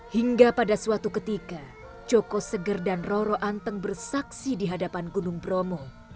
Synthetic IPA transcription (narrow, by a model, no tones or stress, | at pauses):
hiŋɡapadasuat̪ukət̪ika | t͡ʃɔkɔsəɡərdanroɾɔʔant̪əŋbərsaksidiɦadapanɡunʊŋbɾomɔ